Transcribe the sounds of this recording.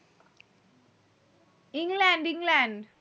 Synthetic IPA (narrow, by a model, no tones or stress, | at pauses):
iŋɡlaɳɖĩŋɡlaɳɖ